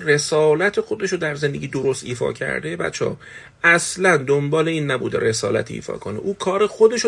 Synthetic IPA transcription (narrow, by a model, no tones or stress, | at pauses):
re̞sɒːlæt̪ʰexo̞d̪e̞ʃod̪æɾzend̪e̞ɡʲiːd̪oɾo̞st̪iːfɒ̰ːcʰæ̰ɾd̪ebæ̰t͡ʃʰːɒ̰ː | æslænd̪ombɒːle̞iːnːæbṵːd̪ḛɾe̞sɒːlæ̰t̪ʰḭːfɒ̰ːkʰo̰nḛʔuːkʰɒːɾexo̞d̪e̞ʃo